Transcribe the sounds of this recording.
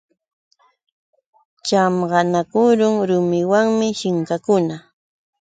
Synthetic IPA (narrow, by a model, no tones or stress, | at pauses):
t͡ʃamɢɑnakʊɾʊŋɾʊmɪwaŋmɪʃɪŋkakʊna